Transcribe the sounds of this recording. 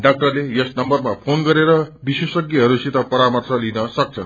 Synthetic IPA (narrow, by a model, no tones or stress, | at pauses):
ɖak̚ʈʌrlejʌsnʌmbʌrmapʰonɡʌɾeɾʌbiswʌsʌɡjiɦʌɾusit̪ʌpʌɾamʌrt͡sʰʌlinʌsʌk̚t͡sʰʌn